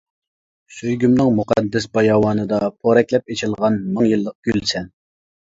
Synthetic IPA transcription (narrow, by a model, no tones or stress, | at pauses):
søjɡʲymnɨŋmuqʰæ̰d̪ːɛsbɑjɑːwɑːnɨd̪ɑpʰoɾɛkʲlɛp̚et͡ʃʰilˠʁɑnmɨŋjɨlˠːəq̚ɡ̥ʲylsɛn